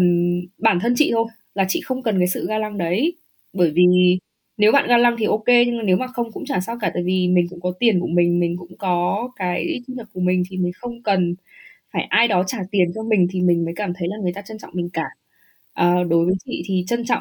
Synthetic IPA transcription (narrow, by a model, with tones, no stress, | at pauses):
nɓaː˧˩nt̪ʰə˧nt͡ɕḭ˧˨t̪ʰo˧j | laː˨˩t͡ɕḭ˧˨xə˧wŋ͡mkə˨˩nkaː˨˦jsɨ̰˧˨ɣaː˧la˧ŋɗə˨˦j | ɓəː˧˩jvi˨˩ | ne˨˦wɓa̰ː˧˨nɣaː˧la˧ŋt̪ʰi˨˩ʔo˧ke˧ɲɨ˧ŋ˨˩ne˨˦wmaː˨˩xə˧wŋ͡mkʊ̰˧˥ŋ͡mt͡ɕaː˧˩saː˧wkaː˧˩t̪a̰ː˧˩˨jvi˨˩mï̟˨˩kʊ̰˧˥ŋ͡mkɔ˨˦t̪i˨˩ənku˧˩əmï˨˩ŋ̟mï˨˩ŋ̟kʊ̰˧˥ŋ͡mkɔ˨˦kaː˨˦jt͡ɕi˧ɲə˨˩ku˧˩əmï˨˩ŋ̟t̪ʰi˨˩mi˨˩ŋ̟xə˧wŋ͡mkə˨˩n | faː˧˩jʔaː˧jɗɔ˨˦t͡ɕaː˧˩t̪i˨˩ənt͡ɕɔ˧mï˨˩ŋ̟t̪ʰi˨˩mï˨˩ŋ̟məː˨˦jkaː˧˩mt̪ʰə˨˦jlaː˨˩ŋɨ˨˩əjt̪aː˧t͡ɕə˧nt͡ɕɔ̰˧˨ŋ͡mmï˨˩ŋ̟kaː˧˩ | ʔəː˨˩ɗo˨˦jvəː˨˦jt͡ɕḭ˧˨t̪ʰi˨˩t͡ɕə˧nt͡ɕŋ͡m